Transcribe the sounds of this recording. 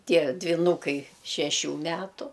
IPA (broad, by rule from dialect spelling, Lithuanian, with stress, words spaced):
ˈtʲiɛ dʲʋʲɪˈnuːkɐɪ ʃʲɛˈʃʲuː ˈmʲæːtʊ